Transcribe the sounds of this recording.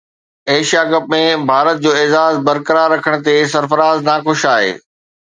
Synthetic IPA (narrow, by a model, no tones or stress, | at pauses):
eːʃijaɡɐp̚mẽbʱaːɾət̪̚d͡ʑoːeːzaːzbɐɾkəɾaɾːɐkʰəɽ̃ə̆t̪esɐɾfəɾaːznaːxʊʃaːɦḛː